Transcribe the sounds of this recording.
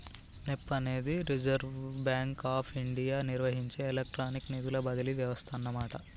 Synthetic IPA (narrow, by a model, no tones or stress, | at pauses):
nepːɐne̞ːd̪iɾid͡ʒɐɾʋbjaːŋkaːpʰiɳɖijaːniɾʋɐɦiɲt͡ʃeːlek̚ʈɾaːniknid̪ulɐbɐd̪ɐliʋjɐʋɐst̪ʰɐnːɐmaːʈɐ